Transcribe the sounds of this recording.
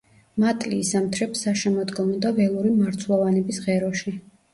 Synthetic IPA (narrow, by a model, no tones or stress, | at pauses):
mat̪ʼliːsamt̪ʰɾɛpsaʃɛmɔd̪ɡɔmɔd̪avɛlˠuɾimaɾt̪sʰlˠɔvanɛbisʁɛɾɔʃi